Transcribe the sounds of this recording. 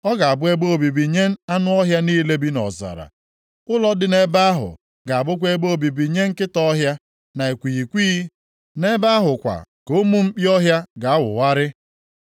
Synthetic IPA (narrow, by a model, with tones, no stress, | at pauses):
ɔ˦ɡa˨a˨bʊ˦e˦ɡ͡bo˦o˨bi˨bi˨ɲe˦n̩˦a˦nʊ˦ɔ˦ɦja˦niː˦le˦bi˦nɔ̰˨za̰˨ɾa̰˨ | ʊ˦lɔ˦dɪ˨ne˦ba˦ɦʊ̰˨ | ɡa˨a˨bʊ˦kʷe˦ɡ͡bo˦o˨bi˨bi˨ɲe˦ŋ̩˦kɪ˦tɔ˦ɦja˦ | na˨e˨kʷi˨kʷiː˦ | ne˦ba˦ɦʊ˨kʷa̰˨ko˦mu˦ŋ͡m̩˦k͡pi˦ɔ˦ɦja˦ɡa˨a˦wʊ̰˨wa˦ɾɪ˦